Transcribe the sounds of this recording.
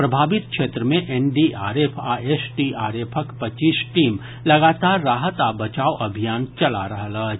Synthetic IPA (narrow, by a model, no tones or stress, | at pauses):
pɾɐbʱaːʋɪt̪̚kʃeːt̪ɾəmẽʔɛnɖiʔaːɾeːpʰaːeːsʈiaːɾeːpʰəkpɐtt͡ʃiːsʈiːm | lɐɡaːt̪aːɾːaːɦət̪aːbɐt͡ʃaːoʔɐbʱijaːnt͡ʃɐlaɾɐɦlə